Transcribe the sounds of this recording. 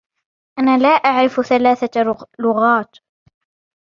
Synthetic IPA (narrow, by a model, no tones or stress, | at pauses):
ʔanaːlaːʔaʕɾɪfθalaːθalʊɣaːt̪